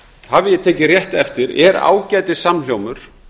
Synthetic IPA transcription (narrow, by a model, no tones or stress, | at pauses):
havɪjɛt̪ʰeːcɪrjɛht̪ɛft̪ɪɾɛɾa̰ːwcaːjt̪ɪsaml̥jowmʏɾ̥